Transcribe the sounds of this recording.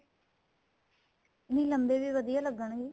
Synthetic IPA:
nĩːləmbeːʋiːʋəd̪ijaːləɡəɳɡiː

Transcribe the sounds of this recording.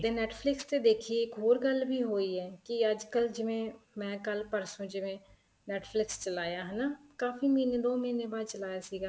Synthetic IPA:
d̪eːnɛːʈpʰlɪkst̪ed̪eːkʰieːkɦoːɾɡəlbʱiɦoːiɦɛːkiəd͡ʒkəld͡ʒɪʋẽmɛ̃ːkəlpəɾsũd͡ʒɪʋẽ | nɛːʈpʰlɪkst͡ʃəlaːjaːɦɛnaːkaːfimĩːned̪oːmiːnebaːd̪̚t͡ʃəlaːjasiːɡaː

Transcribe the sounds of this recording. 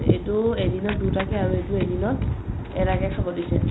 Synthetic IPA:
ḛtuedinɔdutakɛaɹuetuedinɔ | ɛɾaɡɛkʰabɔtisɛ

